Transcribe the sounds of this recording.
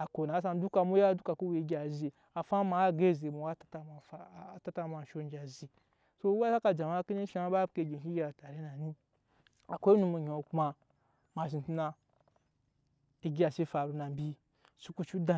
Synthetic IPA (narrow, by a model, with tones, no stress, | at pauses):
a˨ko˨na˨˦s̬a˧n˦du˦ka˧mu˦ja˦du˦ka˨ku˦we˨˦ɡʲa˨zi˨ | a˨fa˦ma˨˦ɡe˦˨ze˨mu˨wa˦ta˦ta˨ma˨fa˨ta˦ta˦˨ma˨ʃo˦n˦d͡ʒa˨zi˨ | so˦u˦ba˦sa˦ka˨d͡ʒa˨ma˦ki˦ne˦ʃa˦ba˦bke˨ɡʲe˨ki˦ɡʲe˦a˨ta˨ɾe˦na˨nĩ˦ | a˨kʷe˦nu˧mu˨ɲo˨kma˧ | ma˨ʃ̬i˨tu˦na˧ | i˨ɡʲi˦a˨se˦fa˨ɾu˨na˨m˨bʲi˦ | su˦ku˦t͡ʃu˦da˨